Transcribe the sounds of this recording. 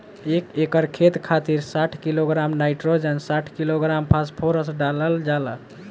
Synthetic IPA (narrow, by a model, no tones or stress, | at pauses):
ekekəɾkʰet̪kʰat̪iɾsaʈʰkiloɡɾamnajʈɾod͡ʒənsaʈʰkiloɡɾampʰaspʰoɾəsɖaləld͡ʒalə